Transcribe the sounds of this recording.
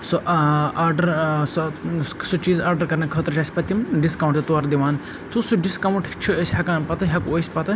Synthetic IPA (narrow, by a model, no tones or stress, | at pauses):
soʔaːɾɖɐɾsɐsut͡ʃiːzaːɾɖɐɾkɐɾnɐkʰəːt̪əɾt͡ʃaːsʲpɐt̪ʲːimɖiskɐwɳʈ̪ɐt̪oɐɾd̪iʋaːn | t̪usuɖiskɐwuɳʈt͡ʃʰuesʲɦɐkaːnpɐt̪ɐɦɐkoːsʲpɐt̪ɐ